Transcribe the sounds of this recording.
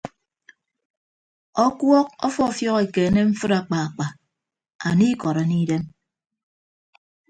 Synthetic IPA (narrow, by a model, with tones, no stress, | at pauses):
ɔ˦kwɔ˦k̚ɔ˦fɔ˦˨fjɔ˦ɣe˨ke˨˦ne˦m̩˦fɨ˦ɾa˨k͡pa˨a˨k͡pa˨ | a̰˨ni˦kɔ˨ɾa˨ni˦de˦m